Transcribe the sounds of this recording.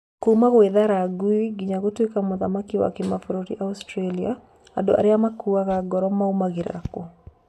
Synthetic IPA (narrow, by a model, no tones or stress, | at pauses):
komaɣweðaɾaɡuiɡiɲaɣotwekamɔðamakiwa̰kimafɔɾoɾḭʔaustɾalia̰ | a̰do̰ʔa̰ɾɪamakuaɣaɡɔɾɔmaomaɣiɾa̰ako